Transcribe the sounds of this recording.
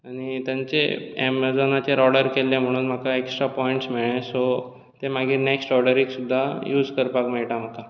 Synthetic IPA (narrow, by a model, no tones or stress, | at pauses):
aɽ̃it̪jaɲt͡sḛḛmd͡zɔnat͡ɕeɾɔɽəɾkelːẽm̤əɽ̃uːnm̤akaeksʈɾapɔiɳʈsmiɭẽso | t̪emaɡʱiːɾneksʈɔɾɖəɾiksud̪ʱːajuːd͡zkəɾpakmeɭʈam̤aka